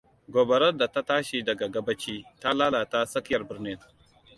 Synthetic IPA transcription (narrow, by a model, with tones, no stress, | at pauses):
ɡʷoː˨bɐ˨ɾɐ˦nda˨ta˦taː˦ʃi˨dɐ˨ɡa˨ɡɐ˦bɐ˦t͡ʃiː˦ta˦laː˦laː˨ta˦sɐ˦kɪ˦jɐ˨rbɪ˨ɾnɪ˦n